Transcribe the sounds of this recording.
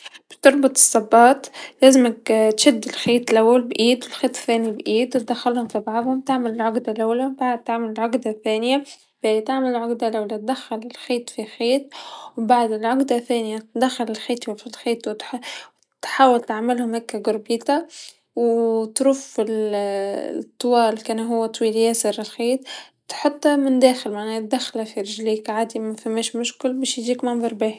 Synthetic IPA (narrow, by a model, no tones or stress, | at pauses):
b̥t̪ɑɾˤbʊt̪ˤɨ̥sˤːɑbːɑːt̪læːzɪmakt̪ʃad̪ːɪlxeːt̪lʔawːalbʔiːd̪wɪlxeːt̪ˤθæːnibʔiːd̪wt̪̚d̪axːalhʊmfibɑʕðˤhʊmt̪aʕmalɪlʕʊɡd̪alʔawːlabaʕd̪̚t̪ːaʕmalɪlʕʊɡd̪aθæːnɪja | b̥ɪt̪aʕmalɪlʕʊɡd̪alʔawlat̪̚d̪axːalɪlxeːt̪ˤfixeːt̪̚wbaʕd̪ɪlʕʊɡd̪aθæːnɪjat̪d̪æxːalɪlxiːt̪ˤwfilxiːt̪wt̪ħ | t̪ħaːwalt̪aʕmɪlhʊmhækːæɡʊɾbiːt̪a | wt̪ɾuːfɪl | t̪ˤːwɑːlkænɦʊwːæt̪ˤwiːljæːsəɾɪlxiːt̪ˤ | t̪ħʊt̪ˤːhamɪnd̪æːxɪlmaʕnæːhæt̪̚d̪æxlafiɾɪʒliːkʕaːd̪imfæmːæːʃmʊʃkʊlbæːʃjʒiːkmɑnbˤɑɾˤbæh